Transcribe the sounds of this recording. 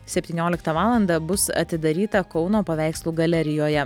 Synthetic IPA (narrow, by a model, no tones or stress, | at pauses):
sʲɛpʲt̪ʲiːnʲoːlʲɪkt̪ɐʋɑːlˠɐnd̪ɐbʊsɐ̰t̪ʲɪd̪ɐɾʲiːt̪ɐkɒʊnoːpɐʋʲæˑɪkslˠuːɡɐlʲɛɾʲɪjoːjɛ